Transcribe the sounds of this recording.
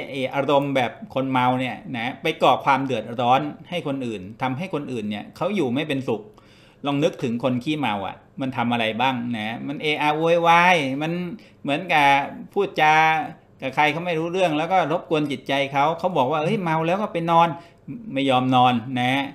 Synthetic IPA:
ʔeː˧ʔa˧ɾo˧mbɛː˨˩p̚kʰo˧nma˧wni˥˩ɐna˦˥pa˧jkɔː˨˩kʰwaː˧mdɯ˨˩ət̪̚ʔa˧ɾɔː˦˥nha˥˩jkʰo˧nʔɯː˨˩nt̪ʰa˧mɦa˥˩jkʰo˧nʔɯː˨˩nːi˥˩əkʰa˦˥wjuː˨˩ma˥˩jpe˧nsu˨˩k̚ | lɔː˧ŋnɯ˦˥k̚t̪ʰɯ˩˦ŋkʰo˧nkʰiː˥˩ma˧wʔa̰˨˩ | ma˧nt̪ʰa˧mʔa˧ɾa˧jbaː˥˩ŋna˦˥ma˧nʔeː˧ʔaː˧ʔu˧jwaː˧jma˧n | mɯ˩˦ənka˨˩pʰuː˥˩t̪̚t͡ɕaː˧ | ka˨˩kʰa˧jkʰa˦˥wma˥˩jɾuː˦˥ɾɯ˥˩əŋlɛː˦˥wkɔː˥˩ɾo˦˥p̚ku˧ənt͡ɕi˨˩t̪̚t͡ɕa˧jkʰa˦˥wkʰa˦˥wbɔː˨˩k̚waː˥˩ʔɤ˦˥˩jma˧wlɛː˦˥wkɔː˥˩pa˧jnɔː˧n | ma˥˩jːɔː˧mnɔː˧nna˦˥

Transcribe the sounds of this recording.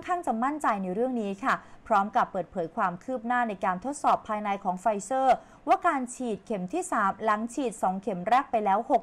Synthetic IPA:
kʰaː˥˩ŋt͡ɕa˨˩ma˥˩nt͡ɕa˧jna˧jɾɯ˥˩əŋniː˦˥kʰa˥˩pʰɾɔː˦˥mka˨˩pːɤː˨˩t̪̚pʰɤː˩˦jkʰwaː˧mkʰɯː˥˩p̚naː˥˩na˧jkaː˧nt̪ʰo˦˥t̪̚sɔː˨˩pʰːaː˧jna˧jkʰɔː˩˦ŋfa˧jsɤː˥˩ | waː˥˩kaː˧nt͡ɕʰiː˨˩t̪̚kʰe˨˩mt̪ʰiː˥˩saː˩˦mla˩˦ŋt͡ɕʰiː˨˩t̪̚sɔː˩˦ŋkʰe˩˦mɾɛː˥˩k̚pa˧jlɛː˦˥who˨˩k̚

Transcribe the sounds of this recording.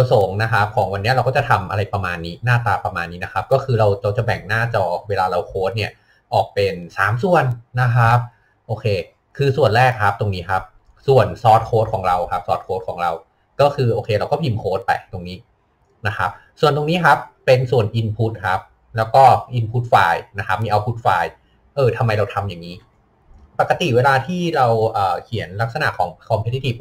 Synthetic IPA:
a˧so˨˩˦ŋna˦˥kʰa˦˥p̚kʰɔː˩˦ŋwa˧nːi˦˥ɐɾa˧wkɔ˥˩t͡ɕa˨˩t̪ʰa˧mʔa˧ɾa˧jpɾa˧maː˧nːiː˦˥naː˥˩t̪aː˧pɾa˧maː˧nːiː˦˥na˦˥kʰa˦˥p̚kɔː˥˩kʰɯː˧ɾa˧wɾa˧wt͡ɕa˨˩bɛ̰˨˩ŋnaː˥˩t͡ɕɔː˧˩weː˧laː˧ɾa˧wkʰoː˦˥t̪̚ni˥˩ə | ʔɔ̰ː˨˩k̚pe˧nsa̰ː˨˩˦msu˨˩ənːa˦˥kʰa˦˥p̚ | ʔoː˧kʰeː˧ | kʰɯː˧su˨˩ənɾɛː˥˩k̚ʰːa˦˥p̚t̪o˧ŋniː˦˥kʰa˦˥p̚ | su˨˩ənsɔː˦˥t̪̚kʰoː˦˥t̪̚kʰɔː˩˦ŋɾa˧wkʰa˦˥p̚sɔː˨˩t̪̚kʰoː˦˥t̪̚ʰɔː˩˦ɾa˧w | kɔː˥˩kʰɯː˧ʔoː˧kʰeː˧ɾa˧wkɔː˥˩pʰi˧mkʰoː˦˥t̪̚pa̰˨˩jt̪o˧ŋniː˦˥ | na˦˥kʰa˦˥p̚ | su˨˩ənt̪o˧ŋniː˦˥kʰa˦˥pːe˧nsu˨˩ənʔi˧npʰu˦˥t̪̚kʰa˦˥p̚ | lɛː˦˥wkɔː˥˩ʔi˧npʰuː˦˥t̪̚faː˧jna˦˥kʰa˦˥p̚miː˧ʔa˧wpʰu˦˥t̪̚faː˧j | ʔɤː˧t̪ʰa˧mːa˧jɾa˧wt̪ʰa˧mja˨˩ŋːiː˦˥ | pa˨˩kːa˧t̪i˨˩weː˧laː˧t̪ʰiː˥˩ɾa˧wʔɤː˨˩kʰi˨˩˦ənla˦˥k̚sa˧na̰˨˩ʔkʰɔː˩˦ŋkʰɔ˧mpʰe˦˥i˦˥t̪ʰi˨˩p̚

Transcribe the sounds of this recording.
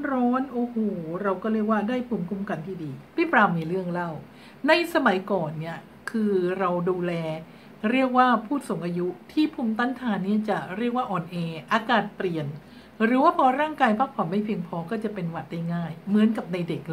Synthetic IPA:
ɾɔː˦˥nʔoː˧˩hoː˨˩˦ɾa˧wkɔː˥˩ɾi˥˩ək̚waː˥˩daː˥˩jpʰuː˧mkʰu˧˥mka˧nt̪ʰiː˥˩diː˧t̪i˦˥˩pɾaː˧miː˧ɾɯ˥˩əŋla˥˩w | na˧jsa˧ma˨˩˦jkɔː˨˩nːi˦˥˩ɐ | kʰɯː˧ɾa˧wduː˧lɛː˧ | ɾi˥˩ək̚waː˥˩pʰuː˥˩t̪̚so˩˦ŋʔaː˧ju˦˥t̪ʰiː˥˩pʰuː˧˥mt̪a˦˥˩nt̪ʰaː˧nːi˥˩ɐt͡ɕa˨˩ɾi˥˩ək̚waː˥˩ʔɔː˨˩nʔeː˧ʔaː˧kaː˨˩t̪̚pli˨˩ən | ɾɯː˩˦waː˥˩pʰɔː˧ɾaː˥˩ŋkaː˧jpʰaː˥˩k̚pʰɔ˨˩˦ma˥˩jpʰi˧əŋpʰɔː˧kɔː˥˩t͡ɕa˨˩pe˧nwa˨˩t̪̚da˥˩jŋaː˥˩jmɯ˩˦ənka˨˩p̚na˧jde˨˩k̚

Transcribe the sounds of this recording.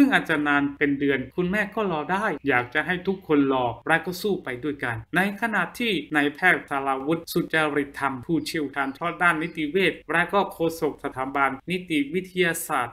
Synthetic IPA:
sɯ˥˩ŋʔaː˨˩t̪̚t͡ɕa˨˩naː˧npe˧ndɯ˧ənkʰu˧nmɛː˥˩kɔː˥˩lɔː˧daː˥˩jjaː˨˩k̚t͡ɕa˨˩ɦa˥˩jt̪ʰu˦˥kʰːo˧nlɔː˧ɾɛ˦˥kɔː˥˩suː˥˩pa˧jdu˥˩əjka˧nːa˧jkʰa˧na˨˩t̪ʰːiː˥˩na˧jpʰɛː˥˩k̚sa˧la˧wu˦˥t̪̚su˨˩t̪̚t͡ɕa˧ɾi˨˩t̪ʰːa˧mpʰuː˥˩t͡ɕʰi˧˥ə˨wkʰaː˧nt͡ɕʰɔː˥˩t̪̚daː˥˩nːi˦˥t̪i˧weː˥˩t̪̚ɾɛ˦˥kɔː˥˩kʰoː˧so˨˩k̚sa˧t̪ʰaː˩˦ba˧nːi˦˥t̪i˨˩wi˦˥t̪ʰa˧jaː˧saː˨˩t̪̚

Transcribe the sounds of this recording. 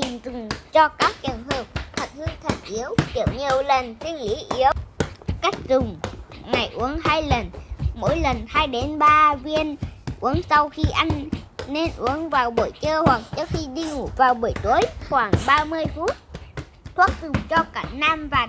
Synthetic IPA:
t̪i˨˩ŋzɨ˨˩ŋ͡mt͡ɕɔ˧kaː˦˥k̚t͡ɕəː˨˩əŋɦəː˨˩p̚t̪ʰə˨˩t̚hɨ˧əŋt̪ʰə˨˩ŋʔi˨˦əwt͡ɕə˧˩ɲi˨˩əwlə˨˩nsʰwi˧ənlḭ˧˥ʔi˨˦əwka˦˥jk̟̚zʊ˨˩ŋ͡mŋa˨˩jʔṵ˨˦nhaː˧jlə˨˩nmo̰˧˥jlə˨˩nhaː˧jɗe˨˦nɓaː˧vi˧ənʔu˨˦nsa˧wxi˧ʔa˧jŋ̟ːe˧nʔu˨˦ənvaː˨˩wɓo˧˩jt͡ɕəː˧hwa˨˩k̚t͡ɕɔ˦˧˥xi˧ɗi˧ŋu˧˩vaː˨˩wɓo˧˩jt̪u˨˦jxwaː˧˩ŋɓaː˧mɨ˧əjfu˦˥t̚ | t̪ʰwaː˦˥k̚zʊ˨˩ŋ͡mt͡ɕɔ˧kaː˧˩naː˧mvaː˨˩

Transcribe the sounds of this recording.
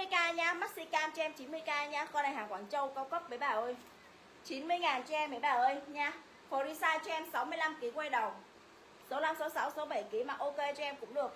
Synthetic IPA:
mɨ˧jkaː˧ɲaː˧maː˦˥t̚si˧kaː˧mt͡ɕɔ˧ʔɛ˧mt͡ɕi˨˦nmɨ˧əjkaː˧ɲaː˧xɔ˧ɗaː˨˩haː˨˩kwaː˧˩nt͡ɕə˧wkɔ˧wkə˦˥p̚vəː˨˦jɓaː˨˩ʔəː˧˩j | t͡ɕi˨˦nmɨ˧əjŋaː˨˩nt͡ɕɛ˧ɛ˧mːɨ˨˧˩jɓaː˨˩ʔəː˧jɲaː˧ | fɔ˧ɾi˧saː˧jt͡ɕɔ˧ʔɛ˧msa˨˦wmɨ˧əjla˧mki˨˦kwa˧jɗə˨˩wŋ͡m | so˨˦la˧mso˨˦sa˨˦wso˨˦ɓə˧˩jki˨˦maː˨˩ʔo˧ke˧t͡ɕɔ˧ɛ˧mkʊ̰˧˥ŋ͡mɗɨ˨˩ək̚

